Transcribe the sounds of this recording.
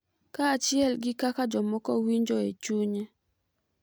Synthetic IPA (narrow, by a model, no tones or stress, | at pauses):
kaːt͡ʃɪɛlɡɪkakad͡ʒɔmɔkɔwiɲd͡ʒɔet͡ʃuɲɛ